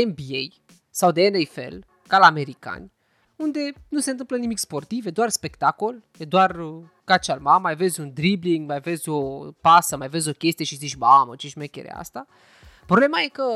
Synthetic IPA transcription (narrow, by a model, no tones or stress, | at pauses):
enbiej | sawd̪eːnejfe̞̰l | kalame̞ɾika̰nʲ | und̪e̞nuse̞nt̪ɨmplənimikspo̞rt̪ived̪oarspe̞kt̪ako̞ljed̪oar | kat͡ʃalmamːajve̞d̪zʲund̪ɾibliŋɡmajve̞zʲo̞pasəmajve̞zʲo̞kʲe̞st̪ije̞ʃizit͡ʃʲmamət͡ʃiʃme̞kʲḛɾḛa̰st̪a | pɾoble̞maje̞kə